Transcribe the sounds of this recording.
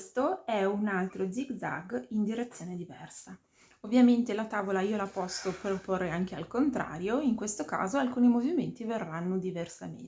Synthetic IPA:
st̪oɛunalt̪ɾod̪ziɡ̪za̰ɡind̪iɾet̪sːjoːned̪ivɛrsa | ovːjament̪elat̪aːvolaiːolapɔsːopɾoporːeaŋk̟ealkont̪ɾa̰ːɾjoiŋkwest̪oka̰ːzoalkuːnimoviment̪iverːanːod̪iversamḛ

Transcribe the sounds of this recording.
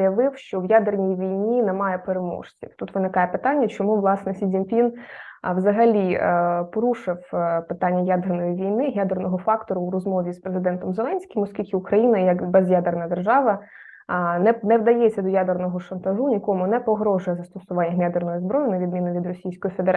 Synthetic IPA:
jɐʋɪwʃt͡ʃɔʋjad̪ernʲijʋʲijnʲinɛmɑjɛpeɾemɔ̰ʂt͡sʲḭwt̪ut̪ʋɪnɪkɑjɛpɪt̪ɑnʲːɐt͡ʃɔmuʋlˠɑsnɛsʲidʲimʲpʲinʋzɐɦɐlʲipɔɾuʃɪwpɪt̪ɑnʲːɐjad̪ernɔjiʋʲijnɪɦjad̪ernɔɦɔfɑkt̪ɔɾʊːɾɔzmɔʋʲispɾezɪd̪ɛnt̪ɔmzelˠɛnʲsʲkʲɪmɔskʲilʲkɪʊkɾɐjinɐjɐkbɛzjad̪ernɐd̪erʒɑʋɐ | nɛnɛʋd̪ɐjet͡sʲːɐd̪ɔjad̪ernɔɦɔʃɐnt̪ɐʒunʲikɔmʊnɛpɔɦɾɔʐʊjɛzɐst̪ɔsʊʋɑnʲːɐɦjad̪ernɔjizbɾɔjʊnɐʋʲid̪̚mʲinɪʋʲid̪rɔsʲijsʲkɔjifed̪eɾ

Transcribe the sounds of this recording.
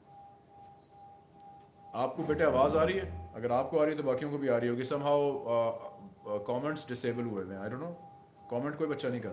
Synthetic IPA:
aːp̚kobeːʈeaːʋaːzaːɾəiɦɛːɐɡəɾaːp̚koaːɾəiet̪obaːkijõkobʱiaːɾəiɦoːɡisɐ̃mɦaʊ | kɔːmɛ̃ɳʈsɖɪseːbəlɦuemɛ̃aːɪɖõːnːoː | kɔːmɛ̃ɳʈkoːibɐtːʃʰanɐ̃ɦĩkɐɾt̪ː

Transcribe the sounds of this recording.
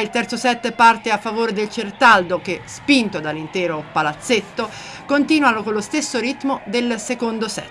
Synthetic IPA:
ilt̪ɛrt̪sosɛt̪ːpart̪eafːavoːɾed̪elt͡ʃert̪ald̪ok̟espint̪od̪alːint̪ɛːɾopalat̪sːet̪ːo | kont̪iːnwanokolːost̪esːoɾit̪ːmod̪elsekond̪osɛ̰t̪ː

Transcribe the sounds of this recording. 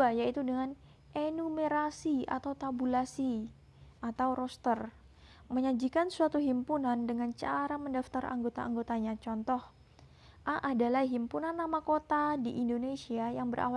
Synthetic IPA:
ajait̪udəŋan | ʔenumeɾasia̰t̪awt̪abulasi | ʔat̪awɾɔst̪ər | məɲad͡ʒikansuat̪uɦimpunandəŋant͡ʃaɾaməndaft̪arʔa̰ŋɡot̪aaŋɡot̪aɲat͡ʃɔnt̪ɔh | ʔaʔadalahɦimpunanːamakot̪adiʔindonesiajaŋbəɾʔa̰wa

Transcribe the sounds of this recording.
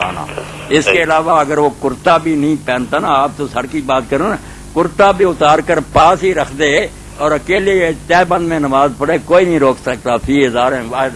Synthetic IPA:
a̰ːna̰ː | ɪskeːɪlaːʋaːəɡəɾʋoːkʊɾt̪aːbʱiːnəɦĩːpɛ̃ːnt̪aːnaaːp̚t̪õːsəɽkibaːt̪̚kəɾeːnãː | kʊɾt̪abʱiːʊt̪aːɾkəɾpaːsɦiɾəkʰd̪eɦeː | ɔːɾəkeːliet̪ɛːbə̃nd̪mẽːnəmaːzpəɽeːkoːiːnəĩːɾoːksək̚t̪aːpʰiːɪzaːɾẽaː

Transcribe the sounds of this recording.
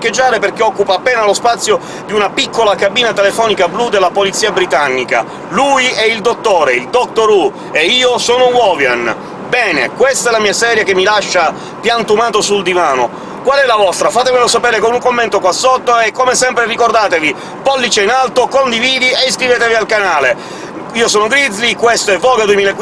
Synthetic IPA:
kːed͡ʒːaːɾeperk̟eɔkːupaːpːeːnalospat̪sːjo | d̪iunapikːolakabiːnat̪elefɔːnikablud̪elːapolit̪sːiːabɾit̪anːika̰ | lujɛild̪ot̪ːoːɾeild̪ɔk̚t̪oɾu | eiːosɔːnowɔːvjan | bɛːnḛkwest̪aɛlamiːasɛːɾjakemːilaʃːa | pjant̪umaːt̪osuld̪ivaːno | kwalɛlavɔst̪ɾafaːt̪emelosapɛːɾekonuŋkomːent̪okwasːot̪ːoekːomesɛmpɾerikord̪aːt̪evi | pɔlːit͡ʃeinalt̪okond̪iviːd̪ieskɾiveːt̪evialkanaːle | iːosɔːnoɡɾid̪zlikwest̪oɛvːɔːɡad̪uemiːlaek

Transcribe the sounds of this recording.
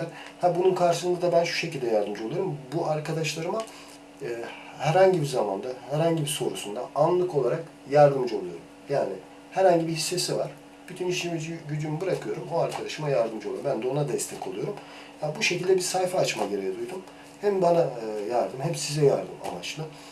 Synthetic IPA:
nhabununkʰaɾʃɯʃɯnd̪ad̪abænʃu̥ʃecilʲd̪ʲɛjaɾd̪ɯmd͡ʒɯolˠujoɾumbuʔaɾkʰad̪aʃlˠaɾɯmaː | hæɾhaɲɟibizama̰nd̪ahæɾhaɲɟibiso̞ɾṵsund̪a̰anlˠɯkʰo̞lˠaɾak | jaɾd̪ɯmd͡ʒɯo̞lˠujo̞̰ɾumjaːnɪ | hæɾhaɲɟibihisːe̞sivaɾ̥ | b̥yt̪ʰyniʃmid͡ʒɟyd͡ʒ̪ymbɯɾakʰɯjo̞ɾumoaɾkʰad̪aʃɯmajaɾd̪ɯmd͡ʒɯolˠaɾbænd̪ɛo̞nad̪ɛst̪ʰɛcʰolˠujo̞ɾum | jabuʃe̞cʰilʲd̪ɛbiɾsajfaːt͡ʃmaɟeɾejad̪ujd̪um | hɛmbanajaɾd̪ɯmhɛpsizɛja̰ɾd̪ɯma̰ma̰t͡ʃlˠɯ

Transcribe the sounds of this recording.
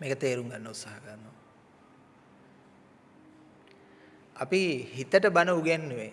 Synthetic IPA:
meːkət̪eːɾuŋɡanːəut̪saːɦəkəɾnːo | apihit̪əʈəbanəuɡanːeʋe

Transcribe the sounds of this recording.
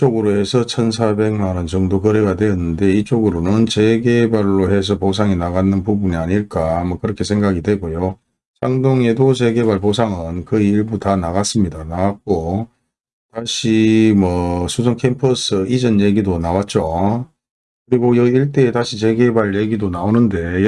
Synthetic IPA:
t͡ɕ͈oɡɯɾohe̞sʰʌt͡ɕʰʌns̬ʰabe̞ŋmanɯnt͡ɕʌŋdokɯɾe̞ɡadwe̞jʌnːɯnde̞it͡ɕ͈oɡɯɾonɯnt͡ɕe̞ɡebaɭːohe̞s̬ʰʌpos̬ʰaŋinaɡanːɯnpubuniaɲiɭk͈amwʌkɯɾʌkʰe̞sʰe̞ŋɡaɡidwe̞ɡojo | t͡ɕaŋdoŋe̞dot͡ɕe̞ɡe̞βaɭpos̬ʰaŋɯnkɯiːɭbutanaɡas͈ɯmɲidanaɡak̚k͈o | taɕʰimwʌsʰusʰoŋkʰempʰʌs͈ɯid͡ʑʌnje̞ɡidonawat̚t͡ɕ͈o | kɯɾiɡojʌiɭt̬͈e̞ːtaɕʰit͡ɕe̞ɡe̞baɭje̞ɡidonaonɯnde̞

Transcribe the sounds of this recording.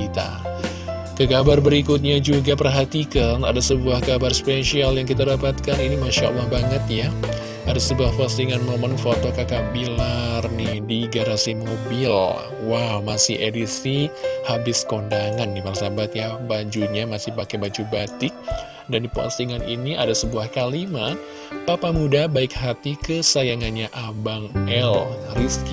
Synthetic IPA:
it̪a̰ | kəkabarbəɾikʊt̪̚ɲad͡ʒuɡapərɦat̪ikanadasəbuahkabarspeʃialjaŋkit̪adapat̪̚kaninimaʃaa̰lːahbaŋət̪ja | adasəbuahpast̪iŋanmomənfot̪okakabilarnɪhdiɡaɾasimobɪl | wawmasɪhedisihabɪskondaŋanːiparsabat̪jabad͡ʒuɲamasɪhpakebad͡ʒubat̪ɪk̚ | dandipa̰st̪iŋaninia̰dasəbuahkalima | papamudabaɪk̚hat̪ikəsajaŋanɲaʔabaŋɛlrisk

